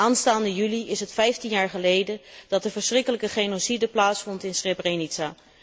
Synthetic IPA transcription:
aːnstaːndəjyliɪsɦətfɛjftinjaːɹχəlejdəd̥ɑt̚dəvəɹsrɪkələkəχejnosidəplaːtsfɔntɪnsrebrenitsaː

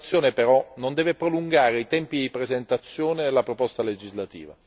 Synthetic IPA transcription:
sːjoːnepeɾɔnond̪ɛːvepɾoluŋɡaːɾeit̪ɛmpid̪ipɾezent̪at̪sːjoːnelapɾopɔst̪aled͡ʒizlat̪ḭːva̰

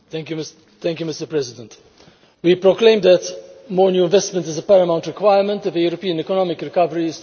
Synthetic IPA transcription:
t̪ɛ̃ŋkjum | t̪ɛ̃ŋkjumɪstəpɹɛzɪd̪ə̃nt̪ | wipɾoklẽɪ̃md̪ətmɔːɾnjuːɪ̃ɱvɛstmə̃ntɪzəpɛɾəmãʊ̃ntɾɪkwajəmə̃nt̪ɔvəjuːɾɔpiːə̃nɛkɔnɔmɪkɾɪkʌvəɾiz

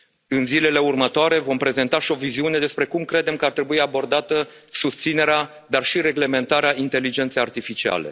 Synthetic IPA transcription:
ɨnzile̞le̞urmət̪oaɾe̞vo̞mpɾe̞ze̞nt̪aʃio̞viziune̞d̪e̞spɾe̞kumkɾe̞d̪e̞mkəart̪ɾe̞buiabo̞rd̪at̪ə | sust̪sine̞ɾea | d̪arʃiɾe̞ɡle̞me̞nt̪aɾeaint̪e̞lːid͡ʒe̞nt̪sejart̪ifit͡ʃia̰le̞̰

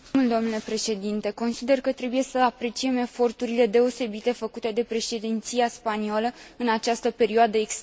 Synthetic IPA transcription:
uld̪o̞mnule̞pɾe̞ʃe̞d̪int̪e̞ko̞nsid̪e̞rkət̪ɾe̞buje̞səapɾe̞t͡ʃie̞me̞fo̞rt̪uɾile̞d̪e̞o̞se̞bit̪efəkut̪e̞d̪e̞pɾe̞ʃe̞d̪int̪sijaspanioləɨnat͡ʃast̪əpe̞ɾioad̪əek

